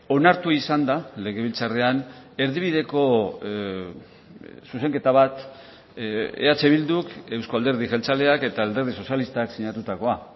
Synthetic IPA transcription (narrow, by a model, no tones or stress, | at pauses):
o̞naɾt̪uisand̪ale̞ɣe̞β̞ilt͡sareane̞ɾðiβ̞iðe̞ko̞ | suse̞ŋke̞t̪aβat̪ | ḛat͡se̞βild̪uke̞wsko̞ald̪e̞ɾðiʝelt͡sale̞ake̞t̪aːld̪e̞ɾð̞iso̞sjalist̪aksiɲat̪ut̪ako̞a